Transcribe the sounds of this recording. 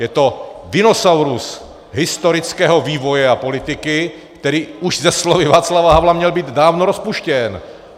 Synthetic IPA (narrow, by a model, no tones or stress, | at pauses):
jɛt̪odɪnosawɾus | ɦɪst̪oɾɪt͡skɛːɦoviːvo̞jɛapo̞lɪt̪ɪkɪ | kt̪ɛɾiːuʒzɛslovɪvaːt͡slavaɦablamɲɛlbiːd̪daːvnoɾospuʃcɛn